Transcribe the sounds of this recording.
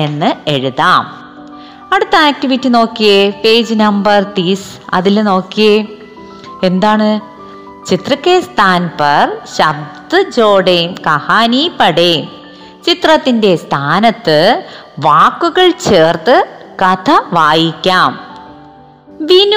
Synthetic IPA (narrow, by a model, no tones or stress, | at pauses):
e̞nːɨe̞ɻuðaːm | ɐɽut̪ːɐaːk̚ʈiʋitːino̞ːkːijefeːd͡ʑnɐmbɐrt̪is | ɐ̰ðilno̞ːkːije | e̞nd̪aːɳɨ | t͡ɕit̪rɐkːeːst̪ʰaːnpɐrɕɐb̚d̪ɨd͡ʑoːɽejmkɐhaːniːpɐɽeː | t͡ɕit̪rɐt̪ːinde̞st̪ʰaːnɐt̪ːɨ | ʋaːkːuɣɐɭt͡ɕeːrt̪ɨkɐt̪ʰɐʋaːjikʲːaːm | ʋin